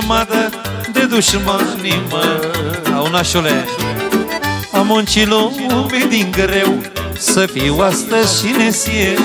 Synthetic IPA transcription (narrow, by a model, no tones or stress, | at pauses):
mãt̪ə | d̪ed̪uʃmãnimə | awnaʃole | amont͡ʃiloumed̪iŋɡəɾew | səfiwast̪əʃinesie